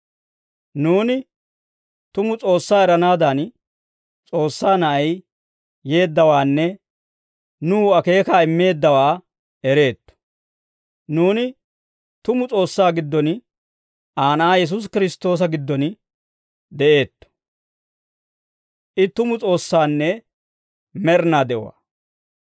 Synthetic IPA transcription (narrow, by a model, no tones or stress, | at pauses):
nuːnɪ | t̪ʊmʊt͡sʼo̞ːsːaːɛɾɐnaːd̪ɐn | t͡sʼo̞ːsːaːnɐʔɐj | je̞ːd̪ːɐwaːnːɛ | nuːɐke̞ːkaːɪmːe̞ːd̪ːɐwaː | ɛɾe̞ːt̪ːɔ̥ | nuːnɪ | t̪ʊmʊt͡sʼo̞ːsːaːɡɪd̪ːɔn | ʔaːnaːjɛs̬ʊs̬kɪɾɪst̪o̞ːs̬ɐɡɪd̪ːɔn | d̪ɛʔe̞ːt̪ːɔ̥ | ʔɪt̪ːʊmʊt͡sʼo̞ːsːaːnːɛ | mɛɾnaːd̪ɛwʊ̰a̰